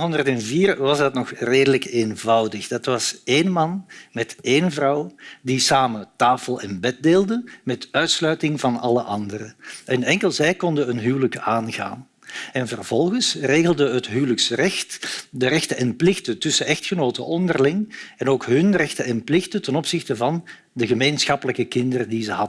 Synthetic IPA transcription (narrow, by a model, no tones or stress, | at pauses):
ɦɔndərtɛnviːrʋɑzdɑtnɔxreːdələkeːnvɑwdəxd̥ɑtʋɑseːnmɑnmɛteːnvrɑwdisaːmətaːfəlˠɪnbɛt̚deːlˠdəmɛtœɥtslœɥtɪŋvɑnɑləʔɑndərəʔənɛŋkəlˠzɛjkɔndəənɦyːwləkaːnɣa̰ːn | ɛnvərvɔlˠɣənsreːɣəlˠdəɦətɦyːwləksrɛxtdəɾɛxtəɛnplɪxtətɵsəʔɛxtxənoːtə̰ʔɔndərlɪŋɛnoːkɦɵnrɛxtəɛnplɪxtətɛnɔpsɪxtəvɑn | dəɣəmeːnsxɑpələkəkɪndərədizəɦɑdə